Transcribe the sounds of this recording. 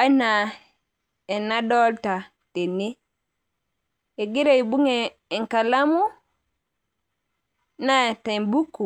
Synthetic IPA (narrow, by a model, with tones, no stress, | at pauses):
a˦na˨ | e˨na˦do˦lta˨ | te˨ni˦ | e˨ɡi˦ɾe˦i˨bu˦ŋeː˨ | ŋka˨la˦mu˦ | na˦˨te˨mbu˦kːu˨